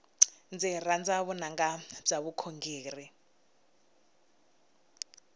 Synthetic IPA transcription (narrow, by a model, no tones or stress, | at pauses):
nd͡zirand͡zaβunaŋɡab͡ʐaβukʰoŋɡeːri